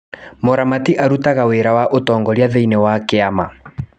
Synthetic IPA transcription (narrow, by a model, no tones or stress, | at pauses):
moɾamatiʔaɾutaɣaweɾawaʔotɔːŋɡɔɾjaðeinewakeama